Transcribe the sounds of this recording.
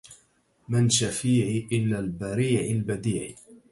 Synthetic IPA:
mɪnʃafiːʕiʔɪlaːlbaɾiːʕɪlbad̪iːʕi

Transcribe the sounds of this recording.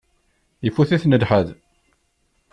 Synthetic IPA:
jəfːuθiθnəd̪ħəð

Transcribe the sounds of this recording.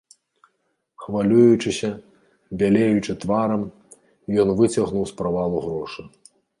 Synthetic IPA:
xvalʲujut͡ʂɨsʲɐ | bʲalʲejut͡ʂɨt̪vaɾɐm | ijɔnvɨt͡sʲɐɣnuwspɾavalˠuɣɾɔʂɨ

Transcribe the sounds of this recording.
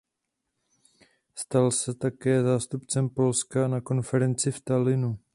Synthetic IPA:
st̪alsɛt̪akɛːzaːst̪upt͡sɛmpo̞lskanako̞nfɛɾɛnt͡sɪft̪alɪnu

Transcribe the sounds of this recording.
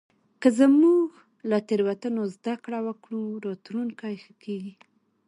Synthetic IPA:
kəzəmuɡ | lat̪eɾwat̪anozd̪akɽawəkɽuɾɔt̪lunkajxəkeɡi

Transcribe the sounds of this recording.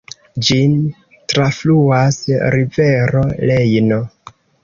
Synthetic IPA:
d͡ʒin | tɾafluasɾive̞ɾole̞jno̞

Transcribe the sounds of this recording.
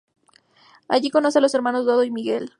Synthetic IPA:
a̰ʝiko̞no̞s̬ealo̞se̞ɾmãno̞zdoðoimiɣe̞l

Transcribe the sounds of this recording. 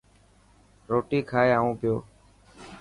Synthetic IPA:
ɾoːʈiːkʰaːeːaːũːpɪjoː

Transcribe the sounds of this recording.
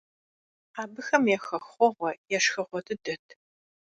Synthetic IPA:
aːbɨxɐmjɛxɐxχʷɔʁʷɔjɛʂxɐʁʷɔtʰɨdɐtʰ

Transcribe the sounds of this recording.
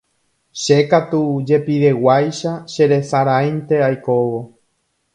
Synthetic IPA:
ʃe̞kat̪ud͡ʒe̞piɾe̞wajʃaʃe̞ɾe̞saɾajnt̪e̞ajko̞ʋo̞

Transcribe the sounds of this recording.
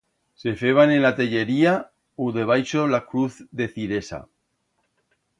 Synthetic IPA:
se̞feβ̞anenlat̪eʎe̞ɾia | uðe̞β̞ajʃolakɾuθðe̞θiɾe̞sa̰

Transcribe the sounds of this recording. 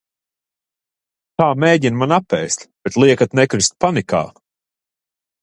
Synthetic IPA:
t̪aːmeːɟinmanapːɛjst̪b̥et̪lˠiɛkat̪nɛkɾist̪̚panika̰ː

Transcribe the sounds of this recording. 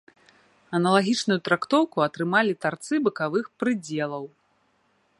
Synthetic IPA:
ɐnɐlˠaɣʲit͡ʂnujut̪ɾakt̪ɔwkuɐt̪ɾɨmalʲit̪art̪sɨbɨkavɨxpɾɨd͡zʲɛlˠɐw

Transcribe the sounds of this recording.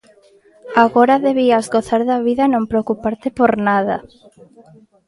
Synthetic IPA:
aɣoɾɐðeβiɐzɣoθaɾðɐβiðɐnõmpɾeokupaɾt̪epoɾnaðɐ

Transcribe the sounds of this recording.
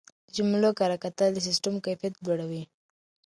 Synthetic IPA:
d͡ʒʊmlokaɾakat̪alis̬ɪsʈamkajfijat̪̚ɡoɽawi

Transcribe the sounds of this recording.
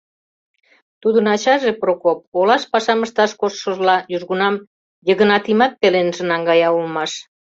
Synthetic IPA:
t̪ud̪ənɑt͡ɕɑʒeprokop̚olɑʃpɑʃɑməʃt̪ɑʃkosʃə̆ʒlɑjuʒɣunɑm | jəɣə̆nɑt̪imɑt̪̚pelenʒə̆nɑŋɡɑjɑulmɑʃ

